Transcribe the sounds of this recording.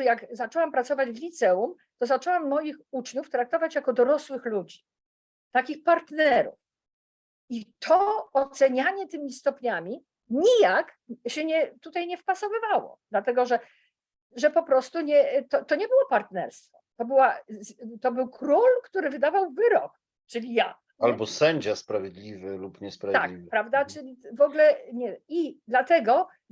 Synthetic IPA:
jaɡzat͡ʂɛwampɾat̪sɔvad͡ʑvlʲit̪sɛum | t̪ɔzat͡ʂɛwamːɔjixut͡ʂɲuft̪ɾak̚t̪ɔvat͡ɕjakɔd̪ɔɾɔswɘxlud͡ʑi | t̪akʲixpaɾt̪nɛɾṵf | it̪ʰɔɔtt̪sɛɲaɲɛt̪ɘmʲist̪ɔpɲamʲi | ɲijak | ɕɛɲɛt̪ut̪ajɲɛfpasɔvɘvawɔ̰d̪lat̪ɛɡɔʐɛ | ʐɛpɔpɾɔst̪uɲɛt̪ɔt̪ɔɲɛbɘwɔpaɾt̪nɛ̰ɾst̪fɔt̪ɔbɘwazt̪ɔbɘwkɾulkt̪uɾɘvɘd̪avawvɘɾɔk | t͡ʂɘlʲija | albɔsɛɲd͡ʑaspɾavʲjed̪lʲivɘlupɲɛspɾavt̪ak̚ipɾavd̪at͡ʂɘlʲivɔɡlɛɲɛid̪lat̪ɛɡɔ

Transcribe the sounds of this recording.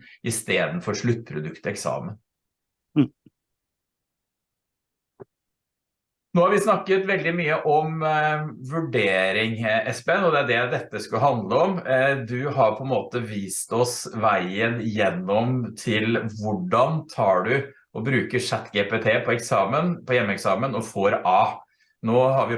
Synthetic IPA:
ʔɪst̪eːd̪ən̩fɔɾʂɭʉt̪̚ːpʰɾʊd̪ʉkt̪əɛksɑ̰ːmən | noːhɑɾʋɪsnɑkːət̪ʋɛld̪ɪmyːəʔɔm | ʋʉɖeːɾɪŋɛspeeːnɔd̪ɛæɖɛd̪ɛt̪ːəskʉɦɑnd̪ləɔmd̪ʉɦɑɾpʰɔɛnmoːt̪əʋiːst̪ɔsʋæɪənjɛnːɔmt̪ʰɪlʋʊɖɑnt̪ʰɑːɖʉ | ʔɔbɾʉːkəʂæt̪ːɡeːpeːt̪ʰeːpʰɔɛksɑːmənpʰɔjɛmːəɛksɑːmənɔfoːɾɑː | noːhɑɾʋɪ

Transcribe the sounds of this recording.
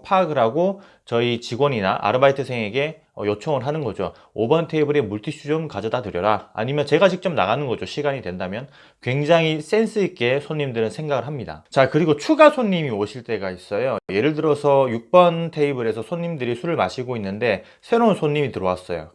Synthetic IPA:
pʰaɡɯɾɦaɡo | t͡ɕʌit͡ɕiɡwʌɲina̰ʔa̰ɾɯbaitʰɯsʰeŋe̞ɡe̞ | ʌjot͡ɕʰʌŋɯɭɦanɯnɡʌd͡ʑo | obʌntʰe̞ibɯɾe̞muɭtʰiɕ͈ʰud͡ʑomkad͡ʑʌdadɯɾjʌɾaa̰ɲimjʌnt͡ɕe̞ɡad͡ʑʰik̚t͡ɕ͈omna̰ɣanɯnɡʌd͡ʑoɕʰiɡaɲidwe̞ndamjʌn | kwe̞ŋd͡ʑaŋɦis͈e̞ns͈ʰɯik͈e̞sʰoɲːimdɯɾɯnsʰe̞ŋɡaɡɯɭɦamɲida̰t͡ɕakɯɾiɡot͡ɕʰuɡasʰoɲːimioɕʰiɭt͈e̞ɡais͈ʌjoje̞ɾɯɭdɯɾʌsʰʌjuk̚p͈ʌntʰe̞ibɯɾe̞sʰʌsʰoɲːimdɯɾisʰuɾɯɭmaɕʰiɡoinːɯnde̞ | sʰe̞ɾounsʰoɲːimitɯɾʌwas͈ʌjo̰

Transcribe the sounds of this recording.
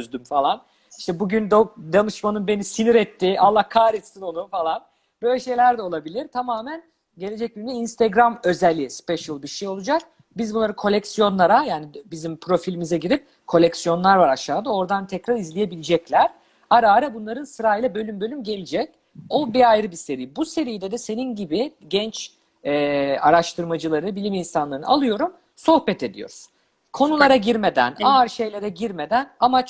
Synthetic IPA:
øzd̪ymfalˠan | i̥ʃt̪ɛbuɟynd̪od̪anɯʃmanɯnbe̞nisiniɾɛt̪ʰːɪalˠːahkʰaːɾit͡ʃ̪t̪ino̞nufalˠan | b̥øjlʲɛʃe̞jlʲæɾd̪ɛo̞lˠabilʲiɾt̪ʰamaːmæn | ɟe̞lʲed͡ʒɛc̚ynd̪ɛinst̪ʰeɡɾamø̞zɛlʲːispɛʃɯlˠbiʃejo̞lˠud͡ʒak̚ | bizbunˠaɾɯkʰo̞lʲɛcsijo̞nlˠaɾajaːnibizimpʰɾo̞filʲimizɛɟiɾip̚ | kʰo̞lʲɛcsijo̞nlˠaɾvaɾaʃaːd̪ao̞ɾd̪ant̪ʰɛcɾaɾizlʲije̞bilʲid͡ʒɛclʲæɾ̥ | aɾaːɾɛbunlˠaɾɯnsɯɾaːijlʲˠɛbø̞lʲymbø̞lʲymɟe̞lʲid͡ʒɛc̚ | o̞biajɾɯbise̞ɾijibuse̞ɾijd̪ɛd̪ɛse̞ninɟibiɟɛnt͡ʃ | ɛaɾaʃt̪ʰɯɾmad͡ʒɯlˠaɾɯbilʲiminsanlˠaɾɯnɯ̰a̰lˠɯjo̞ɾum | so̞hbɛt̪ʰe̞d̪ḭjo̰ɾuz̥ | kʰo̞nulˠaɾaɟiɾme̞d̪æ̰naɾʃe̞jlʲe̞ɾɛɟiɾme̞d̪ænama

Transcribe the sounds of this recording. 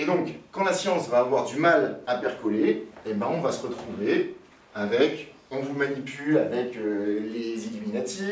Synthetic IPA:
ed̪ɔ̃kːɑ̃lasjɑ̃svaːvwaʁd̪ymalapɛʁkɔleebɛ̃ɔ̃vasəʁət̪χuve | avɛk | ɔ̃vumanipylavɛkølezilyminat̪i

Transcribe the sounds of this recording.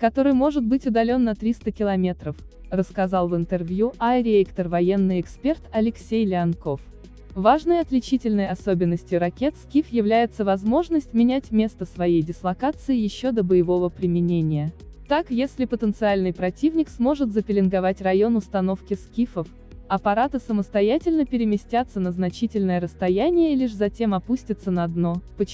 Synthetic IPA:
kɐt̪o̞ɾɨjmo̞ʐɨt̪̚bɨtʲʊd̪ɐlʲo̞nːɐt̪ɾʲist̪əkʲɪlˠɐmʲe̞t̪ɾəf | rəskɐzɑlˠvɨnt̪ɨrvʲjuaɾʲɪekt̪ərvɐjenːɨjɪkspʲert̪ɐlʲɪksʲejlʲɪɐnko̞f | vaʐnəjɐt̪lʲɪt͡ɕitʲɪlʲnəjɐso̞bʲɪnːəsʲtʲjʊɾɐkʲe̞t̪skʲifjɪvlʲæjɪt̪səvɐzmo̞ʐnəsʲtʲmʲɪnʲætʲmʲe̞st̪əsvɐjejdʲɪslˠɐkat̪sɨɪjɪɕːo̞d̪əbəjɪvo̞vəpɾʲɪmʲɪnʲenʲɪjə | t̪akjesʲlʲɪpət̪ənt̪sɨalʲnɨjpɾɐtʲivnʲɪksmo̞ʐɨt̪zəpʲɪlʲɪnɡɐvatʲrɐjo̞nʊst̪ɐno̞fkʲɪskʲifəf | ɐpɐɾat̪ɨsəməst̪ɐjætʲɪlʲnəpʲɪɾʲɪmʲɪsʲtʲat̪sːənəznɐt͡ɕitʲɪlʲnəjəɾəst̪ɐjænʲɪjəlʲiʂzɐtʲe̞mɐpusʲtʲɪt̪sənəɐd̪no̞pə

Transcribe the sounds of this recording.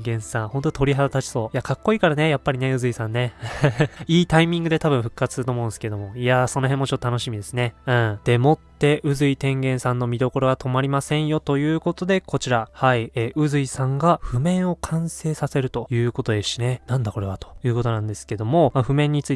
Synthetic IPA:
ɡẽɰ̃sãɰ̃hõ̞nt̪ot̪ʰo̞ɾʲiɦad̪at̪at͡ɕi̥so̞ːjakʰakːo̞iːkaɾane̞japːaɾʲine̞ɯ̟zɨisãnːe̞ | iːt̪aimʲĩŋɡɯ̟d̪e̞t̪abɯ̟ɰ̃ɸɯ̟kːatt͡sɨ̥sɨɾɯt̪omõ̞ːnsɨ̥ked̪o̞mo̞iasono̞ɦemːo̞t͡ɕot̪ːot̪ano̞ɕimʲid̪e̞sɨne̞ɯ̟̃d̪̥e̞mo̞t̪ːe̞ʔɯ̟zɨit̪ẽ̞ŋɡẽ̞ɰ̃sãnːo̞mʲid̪o̞ko̞ɾo̞βat̪ʰo̞maɾʲimasẽ̞ɰ̃jo̞t̪o̞jɯ̟ːko̞t̪o̞d̪e̞kʰo̞t͡ɕiɾahaieːʔɯ̟zɨisãŋɡaɸɯ̟mẽ̞ɰ̃o̞kʰãɰ̃se̞ːsase̞ɾɯ̟t̪o̞jɯ̟ːko̞t̪o̞d̪e̞ɕine̞nãnd̪ako̞ɾe̞βat̪o̥jɯ̟ːko̞t̪o̞nãnd̪e̞sɨ̥ke̞d̪o̞mo̞maɸɯ̟mẽ̞ɲ̟ːit͡sɨi

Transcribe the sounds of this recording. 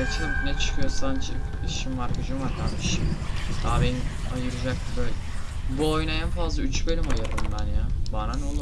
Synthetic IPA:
et͡ʃʰmnɛt͡ʃʰɯ̥kʰɯjo̞sand͡ʒʰi | iʃimvaɾkad͡ʒɯmaɾkʰaɾmiʃimd̪aːbenia̰jɯɾɯd͡ʒak̚t̪ibøjlʲɛbuojnaænfazlˠayt͡ʃbølʲimajɯɾɯmbænjabaɾanolˠu

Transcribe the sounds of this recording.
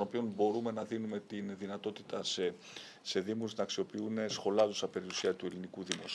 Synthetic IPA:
no̞pio̞nbo̞ɾume̞nɐðinume̞t̪inðinɐt̪o̞t̪it̪ɐse | se̞ðimusnɐksio̞piune̞sxo̞lɐðosɐpe̞ɾiusiɐt̪ue̞linikuðimos

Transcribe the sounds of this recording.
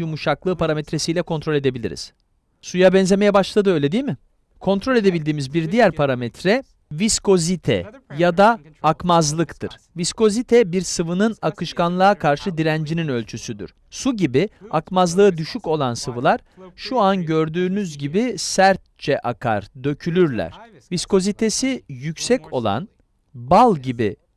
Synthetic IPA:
jumuʃaklˠɯːpʰaɾamɛt̪ɾe̞sijlʲɛkʰo̞nt̪ɾo̞lʲe̞d̪e̞bilʲḭɾḭz̥ | sujabɛnzʲe̞mejɛbaʃlˠad̪ɯøjlʲed̪ijmɪ | kʰo̞nt̪ʰɾo̞lʲe̞d̪e̞bilʲd̪iːmizbiɾd̪ijæɾpʰaɾamɛt̪ʰɾɛ | visko̞zit̪ʰɛ̰jad̪aː | kmazlˠɯkt̪ʰɯɾ̥ | visko̞zit̪ʰɛbiɾsɯvɯnɯnakɯʃkanlˠaakʰaɾʃɯd̪iɾænd͡ʒininø̞lʲt͡ʃʰysyd̪y̰ɾ̥ | suɟibiakmazlˠɯɯd̪yʃyco̞lˠansɯvɯlˠaɾ̥ | ʃuanɟø̞ɾd̪yːnyzɟibisæɾt̪̚t͡ʃʰɛʔakʰa̰ɾd̪ø̞cʰylʲyɾlʲæ̰ɾ̥ | visko̞zit̪ʰe̞sijycsɛcʰo̞lˠa̰n | balˠɟibḭ

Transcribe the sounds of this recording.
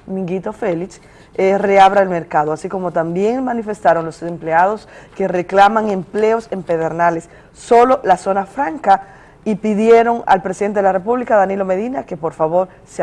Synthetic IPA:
mĩŋɡit̪o̞feliks | ereaβɾaelme̞ɾkaðoasiko̞mo̞t̪ambje̞ŋmãnife̞st̪aɾoŋlosempleað̞o̞ske̞re̞klamaŋe̞mple̞o̞se̞mpeðeɾnalesː | o̞lo̞laso̞nafɾaŋka | ipiðje̞ɾo̞ŋa̰lpɾe̞siðent̪eðelare̞p̬uβlikaðanilo̞me̞ðinake̞po̞ɾfaβo̞ɾ | se

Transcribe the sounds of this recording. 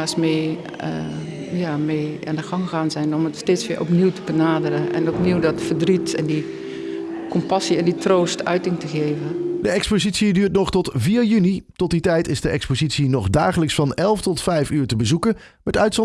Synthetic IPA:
asmeː | jaːmeːandəxɑŋxaːnzɛjnɔmətsteːtsʋɪ̰əʔɔpniwtəbənaːdərəɛ̰nɔpniwdɔtfərdritɛ̰ndi | kɔmpasiɛnditroːstʰœ̰ɥtɪŋtəɣeːvədəɛkspozitsidyːɹtnɔχtɔtviːɹjynitɔt̚ditɛjtɪzdəʔɛkspozitsinɔχdaːχələksfɑnɛlˠftɔtfɛjfyːɹtəbəzukənmɛtœɥtsɔ

